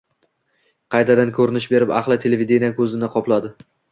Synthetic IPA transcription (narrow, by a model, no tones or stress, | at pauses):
qʰɑjt̪ʰad̪ankʰɵɾɪnɪʃbe̞ɾɪpa̰χlˠɪt̪ʰelevid̪enijakʰɵzɪnɪqʰɒplˠad̪ɪ